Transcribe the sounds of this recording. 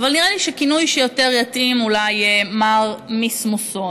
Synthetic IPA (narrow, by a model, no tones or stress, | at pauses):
valniʁaliʃekinujʃejo̞te̞ʁjatimulajmaʁmismuso